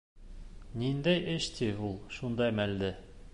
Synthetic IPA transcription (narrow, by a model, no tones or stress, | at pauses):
nind̪æjʔɘʃt̪ʰiulˠʃund̪ɑjmæld̪ɘ